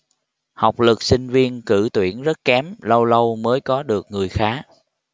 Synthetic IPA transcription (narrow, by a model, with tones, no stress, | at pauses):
ha˨˩wk͡p̚lɨ˨˩k̚sï˧ŋ̟vi˧ənkɨ̰˧˩t̪wḭ˧˩ənzə˦˥t̚kɛ˨˦mlə˧wlə˧wməː˨˦jkɔ˨˦ɗɨ˨˩ək̚ŋɨ˨˩əjxaː˨˦